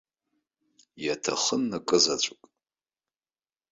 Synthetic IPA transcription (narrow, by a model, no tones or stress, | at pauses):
jatʰa̰χənːakʼɨzat͡ɕʷʼʊkʼ